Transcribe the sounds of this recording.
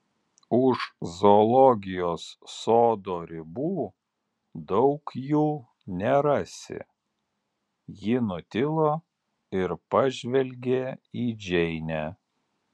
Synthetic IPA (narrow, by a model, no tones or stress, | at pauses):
ʊʃzolˠɔɡʲɪjoːsːoːd̪oːɾʲɪbuː | d̪ɒʊkjuː | nʲɛɾɐsʲɪ̰ | jɪnʊt̪ʲɪlˠoː | ɪɾpɐʒʲʋʲɛlʲɡʲeːiːd͡ʒʲɛɪnʲæ